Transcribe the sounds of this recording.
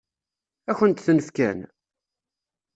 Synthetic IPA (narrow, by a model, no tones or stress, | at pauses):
æçənt̪θnəfkæ̰n